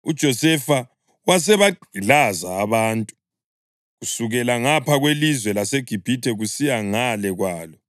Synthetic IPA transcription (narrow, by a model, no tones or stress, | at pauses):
ṵd̥ʒ̥ʱɔsɛfa | was̬ɛβaɡ͡ǃʱilazaːβaːntʼu̥ | ɣusuɣɛlaŋapʰaɣwelizwɛlaseɡ̥ʱib̥ʱitʰʼɛɣusijaŋalɛɣwaːlɔ